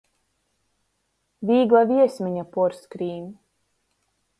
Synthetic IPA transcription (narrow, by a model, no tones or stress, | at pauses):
viːɡlˠaviɛsmiɲapɔɾskɾiːm